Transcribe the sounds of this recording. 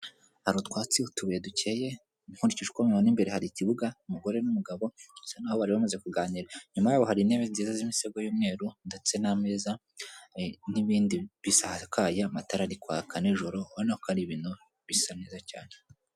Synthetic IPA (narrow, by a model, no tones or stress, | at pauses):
haɾutkwaːt͡siutuβijeduce̞je̞ | huːnɾiciʒukomemanimbe̞ɾehaɾiciβuɡaumuɡo̞ɾe̞numuɡaβo̞usanahoβaɾiβamaze̞kuɡaːɲiɾaɲumajaːβo̞haɾine̞βeznziːzazimiseɡojuːmŋe̞ːɾundet͡se̞name̞ːza | niβiːndiβisahakʰaːjaamataɾaɾikwaːkʰaniʒo̞ɾo̞βanahokaɾiβiːnu | βisanezacaːne